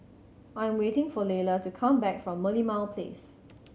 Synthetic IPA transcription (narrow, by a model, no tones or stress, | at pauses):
ʔãjə̃mwetɪ̃ŋfɔlelətukʰãmbɛkfɹɔ̃mːəlimaʊlpʰlḛs